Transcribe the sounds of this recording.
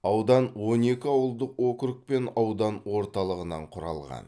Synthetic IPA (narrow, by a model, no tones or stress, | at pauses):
ɑwd̪ɑnwo̞ne̞kʲɪɑwəlˠd̪əqwokɾʊk̚pe̞nɑwd̪ɑnwo̞ɾt̪ɑlˠəʁənɑ̰ɴqʰʊɾɑ̰lˠʁɑ̰n